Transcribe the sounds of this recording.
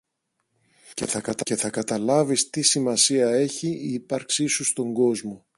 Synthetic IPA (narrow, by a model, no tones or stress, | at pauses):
ce̞̰θɐkɐt̪ɐce̞θɐkɐt̪ɐlɐvist̪isimɐsiɐe̞çiiːpɐɾksisust̪o̞ŋɡo̞zmo̞